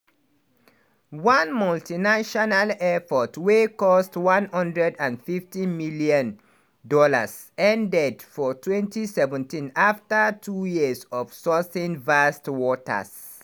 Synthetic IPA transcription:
wãnmɔltinaʃɔnalɛfɔtʰwekɔstwãnhʌ̃ndɹɛdãnfiftĩnmiliɔ̃n | dɔlas | ɛ̃ndɛdfɔtʰwɛ̃ntisɛvɛ̃ntĩnaftatʰujiəsɔvsɔsĩnvastwɔta̰s

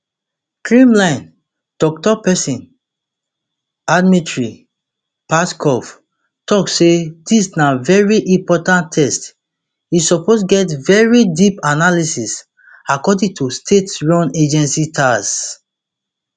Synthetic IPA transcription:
kɹĩmlãɪ̃n | d̥ɔk̚tɔpɛsĩn | admitɹi | paskʰɔf | tɔksedisnavɛɹiʔĩmpɔtãntʰːɛst | isɔposɡɛtvɛɹidipanalisis | akɔdĩŋtʰustʰetɹɔ̃ned͡ʒɛ̃nsitʰas

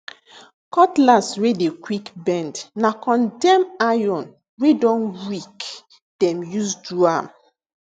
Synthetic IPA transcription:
kɔtlaswedekwikbɛ̃ndnakɔ̃ndɛmajɔ̃n | wedɔ̃nɹik | d̥ɛ̃mjusduam

